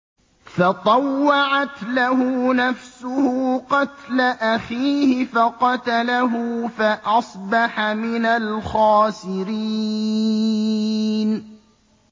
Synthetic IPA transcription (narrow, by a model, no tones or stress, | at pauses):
fɑt̪ˤɑwːɑʕat̪laɦʊnafsʊhʊqɑt̪laʔaxiːhɪfaqɑt̪alaɦʊfaʔɑsˤbɑħamɪnalxɑːsɪɾiː | n